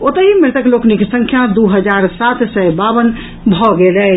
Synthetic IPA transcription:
ot̪əɦimeɾt̪əkloknikesəŋkʰjad̪uɦəd͡ʒaɾsat̪ʰsəbabən | bʱɔɡelɛ

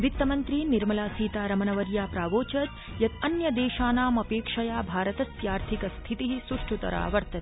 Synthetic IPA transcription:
ʋit̪ːɐmɐnt̪ɾiːniɾmɐlaːsiːt̪aːɾɐmɐnɐʋɐɾjaːpɾaːʋoːt͡ʃɐt̪ | jɐt̪ʰɐnjɐd̪eːʃaːnaːmɐpeːkʂɐjaːbʱaːɾɐt̪ɐsjaːɾt̪ʰikɐst̪ʰit̪iɦisuʂʈʰut̪ɐ̰ɾa̰ːʋɐɾt̪ɐt̪i̥

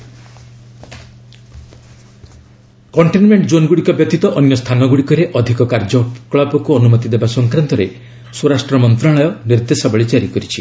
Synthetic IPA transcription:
kɔɳʈinmeɳʈd͡ʒonɡuɽikɔbjɔt̪it̪ɔʔɔnjɔst̪ʰanɔɡuɽikɔɾeʔɔd̪ʱikɔkaɾd͡ʒɔkɭɔbɔkuɔnumɔt̪id̪ebasɔŋkɾant̪ɔɾe | soɾasʈɾɔmɔnt̪ɾaɭɔjɔniɾd̪esɔbɔɭid͡ʒaɾikɔɾit͡ʃʰi

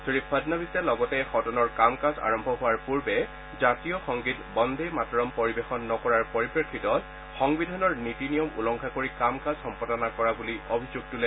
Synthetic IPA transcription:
sɹipʰːadnabisɛlɔɡɔtɛxɔtɔnɔɹkamkaza̰ɹɔmbʱɔɦʊwaɹpuɹbɛ | zatijɔxɔŋɡitbɔndʱejmatɹɔmpoɹibexɔnːɔkɔɹaɹpoɹipɹekʰːitɔt | xɔŋbidʱanɔɹnitinijɔmṵlɔŋkʰakoɹikamkazxɔmpɔdɔnakɔɹabuliobʱizuɡ̚tulɛ

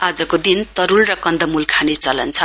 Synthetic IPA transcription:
ad͡zʌkod̪int̪ʌɾulrʌkʌnd̪ʌmulkʰanet͡sʌlʌ̰nt͡sʰʌ

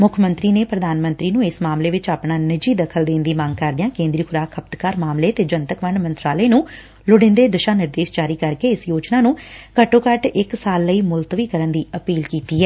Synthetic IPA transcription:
mʊkʰmə̃nt̪ɾiːneːpɾəd̪aːnmə̃nt̪ɾiːnũːɪsmaːmleːʋɪt͡ʃaːpɳaːnɪd͡ʒiːd̪əkʰəld̪ẽːnd̪iːmə̃ŋɡ̚kəɾd̪ɪjãːkẽːnd̪ɾiːkʰʊɾaːkʰəpt̪kaːɾmaːmleːt̪eːd͡ʒənt̪əkʋəɳmənt̪ɾaːləeːnũː | lʊɽɪ̃nd̪eːd̪ɪʃaːnɪɾd̪eːʃd͡ʒaːɾiːkəɾkeːɪsjoːt͡ʃnaːnũːkəʈõːkəʈɪksaːlːəiːmʊlt̪ʋiːkəɾənd̪iːəpiːlkiːt̪iːɦɛː

